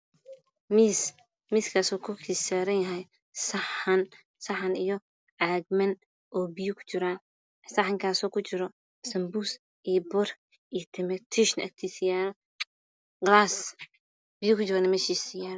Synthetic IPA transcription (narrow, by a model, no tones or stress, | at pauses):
mis | miːskʰaːsɔːkʰʊkʰisaːɾɐnjɐɦɛj | sɐħɐn | sɐħɐnijɔ | ʕaɡ̚mɐn | ʔɔːbijʊkʰʊ̥t͡ʃɪɾaːn | sɐħɐŋkʰaːsɔːkʰʊt͡ʃɪɾɔ | sɐmbuːs | ʔiːbɔr | ijt̪ʰɛmɛt̪ʰiʃnɐ̰k̚t̪ʰiːsɪjaːɾɔ | ɡlaːs | b̥ɪjʊkʰʊt͡ʃɪɾanɐmɛːʃiːsɪjaːɾɔ